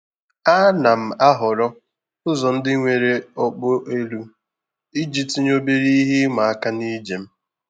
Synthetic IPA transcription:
a˦na˨m̩˨a˦ɦʊ˨ɾɔ˦ | ʊ˦zɔ˨n̩˦dɪ˦ŋʷe˨ɾe˦ɔ˦k͡pʊ˦ʔe˦lu˦ | i˦d͡ʒi˦ti˦ɲ˦o˦be˦ɾi˦ɦi˦ma˨a˦ka˦ni˦d͡ʒe˨m̩˦

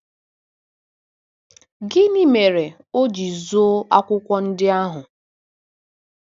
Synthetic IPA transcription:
ɡɪ˦ni˦me˨ɾe˨ | o˦d͡ʒi˨zo˦a̰˦kʷʊ˦kʷɔ˦n̩˦dɪ˦a˦ɦʊ˨

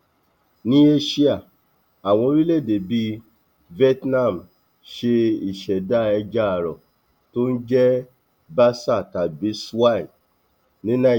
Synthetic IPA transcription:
nĩ˦e˦ʃi˦a˦˨ | a˨w̃ɔ̃˧˦ɾi˦le˦˨de˨bi˧ | vɛ˦tnã˦˨m̩˨ | ʃe˧i˨ʃɛ˨da˦˨ɛ˧d͡ʒa˦˨ɾɔ˨ | to˦n̩˦d͡ʒɛ˦ | ba˦sa˦˨ta˨bi˨˦swa˦˨i˨ | nĩ˦nã˦

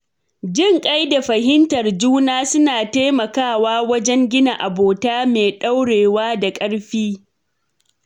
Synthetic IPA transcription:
d͡ʒɪ˦˨ŋkʼa˦jda˨ɸɐ˨ɦɪ˦ntɐ˨rd͡ʒuː˦naː˦sʊ˦naː˨teː˦mɐ˨kaː˦˨waː˦wɐ˦d͡ʒɛ˦ŋɡʲɪ˦na˨ʔa˨boː˨taː˦meː˨ɗa˦wɽeː˨waː˦da˨kʼɐ˦ɽɸiː˦

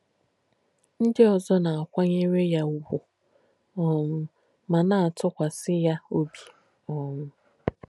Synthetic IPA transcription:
n̩˦dɪ˦ɔ˨zɔ˦na˨a˨kʷa˦ɲe˦ɾe˦ja˦u˦wʷu˨ | ɔ˦m̩˦ | ma˨na˨a˨tʊ˦kʷa˨sɪ˦ja˦o˦bi̥˨ | ɔ˨m̩˦

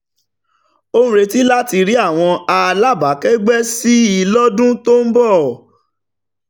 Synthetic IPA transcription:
o˦ũ˦ɾe˧ti˦la˦ti˧ɾi˦a˦˨w̃ɔ̃˧a˧la˦ba˨˦kɛ˦ɡ͡bɛ˦si˦i˧lɔ˦dũ˦to˦m̩˦bɔ˦˨

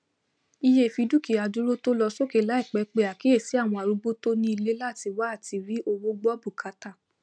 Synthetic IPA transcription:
i˧je˦˨fi˧du˦ki˨a˧du˦ɾo˦to˦lɔ˧so˦ke˨la˦i˦˨k͡pɛ˨˦k͡pe˧˨a˨ki˨˦e˦˨si˨˦a˦˨w̃ɔ̃˧a˨ɾu˧˦ɡ͡bo˦to˦nĩ˦i˧le˦la˦˨ti˧wa˦˨ti˧ɾi˨˦ʔo˧wo˦ɡ͡bɔ˦bu˦˨kʰa˧˦ta˦˨

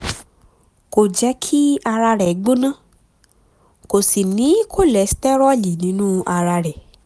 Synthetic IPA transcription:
ko˨d͡ʒɛ˨˦kʰi˦a˧ɾa˧ɾɛ˨˦ɡ͡bõ˦nã˦˨ | ko˨si˨nĩ˨˦kʰo˦˨lɛ˨˦si̥˦tɛ˦ɾɔ˦˨li˨nĩ˦nũ˦a˧ɾa˧ɾɛ˨

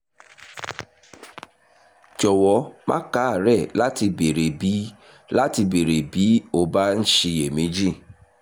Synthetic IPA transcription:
d͡ʒɔ˨wɔ˧˦mã̰˦ka˨˦a˦˨ɾɛ˦˨la˦ti˧be˨ɾe˨bi˨˦ | la˦ti˧be˨ɾe˨bi˨˦o˧ba˦n̩˦ʃi˧e˨mĩ˨˦d͡ʒi˦˨

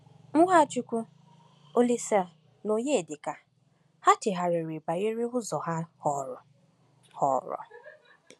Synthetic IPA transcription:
ŋ̩˦ɦʷa˦t͡ʃu˦kʷu˦ | o˦li˦sa˦ | no˨ɲe˦e˨de˨ka˨ | ha˦tɪ˨ɦa˨ɾɪ˨ɾi˨ba˨i˦ɾɪ˦ɦʊ˦zɔ˨ɦa˦hɔ˨ɾɔ˨ | hɔ̰˨ɾɔ̰˨

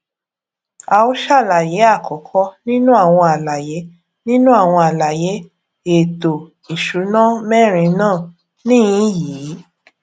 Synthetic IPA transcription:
a˧˨o˦ʃa˦˨la˨je˨˦a˦˨kʰɔ˨kʰɔ˦nĩ˦nũ˦a˦˨w̃ɔ̃˧a˨la˨je˨˦ | nĩ˦nũ˦a˦˨w̃ɔ̃˧a˨la˨je˨˦ | e˨to˨ | i˨ʃu˨˦nã˦mɛ˦˨ɾ̃ĩ˧nãː˦˨ | nĩ˦ĩ˦jiː˨˦

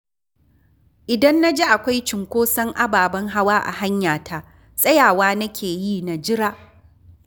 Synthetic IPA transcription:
ʔɪ˨dɐ˦nːa˦d͡ʒe˦ʔa˨kʷa˦jt͡ʃɪ˨ŋkʷoː˦sɐ˦ŋʔa˦baː˨bɐ˦ŋɦa˦waː˦ʔa̰˨ɦa˦ɲjaː˨tʰa˦ʔ | sʼɐ˦jaː˨waː˦nɐ˦kʲʰeː˨jiː˦na˨d͡ʒɪ˦ɾaː˦ʔ

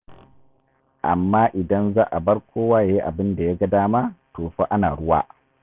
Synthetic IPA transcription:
ʔa̰˨mːaː˦ʔɪ˨dɐ˦nzaː˦ʔa˨bɐ˦ɽkʷoː˦waː˦ja˦ji˦ʔa˨bɪ˦nda˨ja˦ɡɐ˦daː˦ma˦toː˨ɸa˦ʔa˦naː˨ɽʊ˦wa̰ː˦

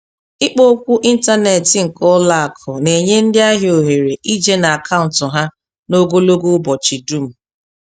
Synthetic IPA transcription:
ɪ˦k͡po˦kʷu˦ʔi˦n̩˦ta˦ne˨tɪ˨ŋ̩˨kɔ˦la˦a˨kʰɔ˨ne˨ɲe˦n̩˦dɪ˦a˦ɦjo˨ɦe˨ɾe˨ʔi˦d͡ʒe˦na˨a˨kʰa˦ʊ˨n̩˨tʊ˨ɦa˦ | no˦ɡo˦lo˦ɡu˦bɔ˨t͡ʃi˨du˦m̩˨

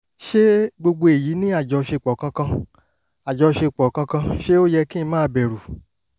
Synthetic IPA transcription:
ʃe˦ɡ͡bo˧ɡ͡bo˧e˨ji˨˦nĩ˦a˦˨d͡ʒɔ˨˧ʃe˧˨k͡pɔ˨kã˧kã˧ | a˨d͡ʒɔ˨˧ʃe˧k͡pɔ˨kã˧kã˧ʃe˦o˦jɛ˧kĩ˦˧˦mãː˦˧˦bɛ˨ɾu˨

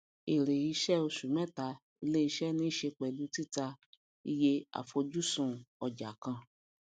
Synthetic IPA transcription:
e˨ɾe˨ji˨˧˦ʃɛ˦o˧ʃu˨˦mɛ̃˦˨ta˧ | i˧le˦i˧ʃɛ˦˨nĩ˦ʃe˧k͡pɛ˨lu˨˦ti˦˨ta˧ | i˧je˧a̰˨fo˧d͡ʒu˦sũ˨ɔ˨d͡ʒa˨kã˧

